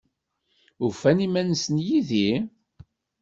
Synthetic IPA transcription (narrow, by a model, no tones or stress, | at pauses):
ufænimænsənjiði